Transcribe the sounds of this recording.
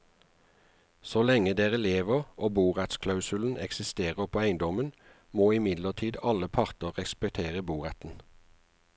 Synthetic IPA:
soːlɛŋəd̪eːʁəleːʋəʁʔoːbuːʁæt̪skʰlɑʉsʉln̩ɛ̰ksɪst̪eːʁəpʰoːæɪnd̪ɔmən | moːɪmɪd̪ləʁt̪ʰiːd̪ɑləpʰɑʁt̪əʁɛspɛk̚t̪ʰeːʁəbuːʁɛt̪n̩

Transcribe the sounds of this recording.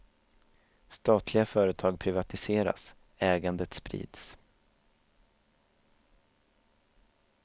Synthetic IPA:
st̪ɑːt̪ʰlɪɡafœːɾət̪ʰɑːɡ̚pʰɾɪvat̪ɪseːɾa̰s | ɛːɡand̪ət̪spɾḭːd̪s

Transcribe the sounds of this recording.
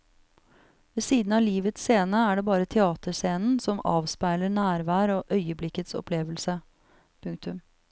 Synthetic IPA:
ʋɛsiːd̪n̩ɑːliːʋət̪sseːnəæɖɛbɑːɾət̪ʰɛɑːt̪əseːnn̩sɔmɑ̰ːʋspæɪləɳæːɾʋæːɾoːʔœʏəblɪkːət̪sɔ̰pleːʋəlsə | pʰʉŋk̚t̪ʉm

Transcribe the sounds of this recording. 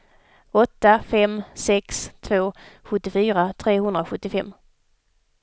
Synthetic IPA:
ɔt̪ːafɛmsɛkst̪ʰvoːɧɵt̪ːɪfyːɾat̪ʰɾeːɦɵnd̪ɾaoɧɵt̪ːɪfɛmː

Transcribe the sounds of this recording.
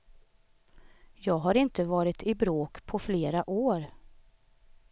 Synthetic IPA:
jɑːɡɦaɾɪnt̪əvɑːɾɪt̪ʰɪbɾoːkpʰɔfleːɾaʔoːɾ

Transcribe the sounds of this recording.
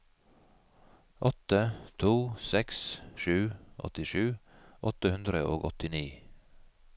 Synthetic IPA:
ʔɔt̪ət̪ʰuːsɛksʃʉːʔɔ̰t̪ɪʃʉːʔɔt̪əhʉnd̪ɾəʔoːɡɔt̪ɪniː

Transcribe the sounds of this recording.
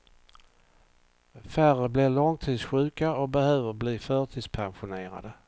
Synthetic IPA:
færəblɪlɔŋt̪ʰiːd̪sɧʉ̟ːkaɔbɛhøːvəɾbliːfœːʈ̪ʰiːd̪spʰanɧʊneːɾa̰d̪ə

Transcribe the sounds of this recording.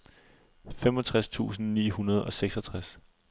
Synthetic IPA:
femɒ̽t͡sʰʁast͡sʰṵːsn̩nḭːhunɐð̞̩ˠɒ̽seɡ̥sɒt͡sʰʁas

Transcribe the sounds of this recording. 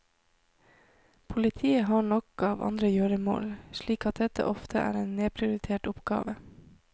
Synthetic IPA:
pʰʊlɪt̪ʰiːəɦɑːɳɔkɑːʋʔɑ̰nd̪ɾəjøːɾəmo̰ːlʃɭiːkɑt̪̚d̪ɛt̪ə̰ʔɔft̪ʰə̰ʔæ̰ːɾeːnneːpʰɾɪʊɾɪt̪ʰeːʈʊpɡ̥ɑ̰ːʋə

